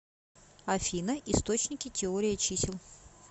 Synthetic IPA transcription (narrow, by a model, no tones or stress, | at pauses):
ɐfʲinəʔɪst̪o̞t͡ɕnʲɪkʲɪtʲɪoɾʲɪjət͡ɕisʲɪlˠ